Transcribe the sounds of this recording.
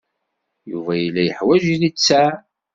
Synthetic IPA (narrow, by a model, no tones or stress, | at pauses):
jṵvæjəlːæjəħwæʒiðit͡sːæ